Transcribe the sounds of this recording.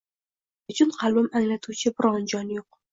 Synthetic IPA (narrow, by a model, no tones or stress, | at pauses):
ʊt͡ʃʰʊnqʰɑlˠbɪmaŋlat̪ʰut͡ʃʰɪbɪɾɒnd͡ʒɒnjoq̚